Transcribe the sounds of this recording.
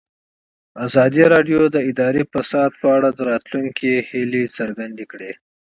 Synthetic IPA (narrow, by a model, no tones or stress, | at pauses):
azɑd̪iɾɑɖjod̪əɪd̪ɑɾepasɑd̪̚pəaɽad̪əɾɑt̪luŋkʰihilet͡səɾɡand̪ekɽe